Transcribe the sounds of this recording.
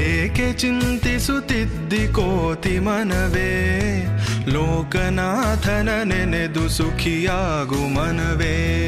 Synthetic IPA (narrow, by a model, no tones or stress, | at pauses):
eːket͡ʃint̪isut̪id̪ʱːikoːt̪imɐnɐʋeː | loːkɐnaːd̪ʱɐnɐnened̪usukʰijaː | ɡumɐnɐʋe